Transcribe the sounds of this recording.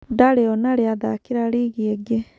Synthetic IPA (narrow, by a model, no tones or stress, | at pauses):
daɾeɔnaɾeaðakiɾaɾiɣiɛɡe